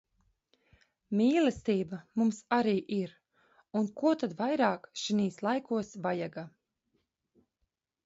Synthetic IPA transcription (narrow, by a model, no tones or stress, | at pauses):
miːlˠɛst̪iːbamumsaɾiːʔiɾ | unkuɔt̪ad̪vajɾɑːkʃiniːslˠajkuɔsvajaɡa